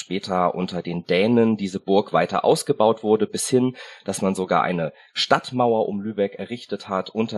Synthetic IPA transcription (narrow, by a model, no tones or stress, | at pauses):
ʃpɛːtʰɐʔʊ̰ntɐdeːndɛːnəndiːzəbʊɐkv̥aɪtɐ̰ʔa̰ʊsɡ̥əbaʊtv̥ʊɐdəbɪshɪnd̥asmanzoɡa̰ːɐʔa̰ɪnə | ʃtatmaʊɐʔʊmlyːbɛkɛɐʁɪçtəthatʔʊntɐ